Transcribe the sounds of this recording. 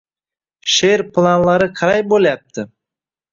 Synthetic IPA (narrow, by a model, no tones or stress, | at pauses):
ʃeɾplˠanlˠaɾɪqʰɑɾajbolajap̚t̪ʰɪ